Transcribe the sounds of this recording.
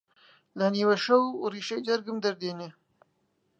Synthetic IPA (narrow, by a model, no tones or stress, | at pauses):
lɐniwɐʃɐwɾiːʃɐjd͡ʒɐɾɡɨmd̪ɐɾd̪eːne